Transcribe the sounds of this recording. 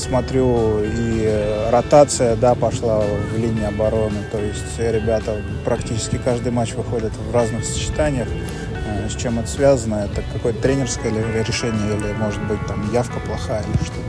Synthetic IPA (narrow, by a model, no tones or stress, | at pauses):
smɐt̪ɾʲuiɾɐt̪at̪sɨjəd̪apɐʂlˠavlʲinʲɪɪɐbɐɾo̞nɨt̪o̞jɪsʲtʲɾʲɪbʲat̪ə | pɾɐktʲit͡ɕɪ̥skʲɪkaʐd̪ɨjmat͡ɕvɨxo̞dʲɪt̪vraznɨxsə̥t͡ɕɪ̥t̪anʲɪjəx | sʲt͡ɕe̞mɛt̪ə̥svʲazənəɛt̪əkɐko̞jət̪ət̪ɾʲenʲɪrskəjəɾʲɪʂɛnʲɪjəilʲɪmo̞ʐɨt̪̚bɨt̚ʲt̪amjafkəplˠɐxajəʂt̪o